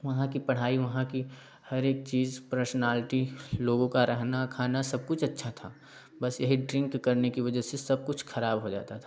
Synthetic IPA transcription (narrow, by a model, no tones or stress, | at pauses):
ʋɐɦãkipɐɽ̤aːiʋɐɦãki | hɐɾeːk̚t͡ʃiːzpɾəɾsənaːlɪʈiloːɡõkaɾɛɦnakʰaːnasɐb̚kʊt͡ʃʰɐtːʃʰat̪ʰaː | bɐsjɐɦiɖɾɪ̃ŋkːɐɾnekiʋɐd͡ʒəsesɐb̚kʊt͡ʃʰxʰɐɾaːbɦod͡ʒa̰ːt̪at̪ʰa